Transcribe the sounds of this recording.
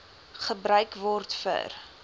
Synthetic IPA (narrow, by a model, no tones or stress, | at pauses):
χəbɾœɥkvɔrtfə̰r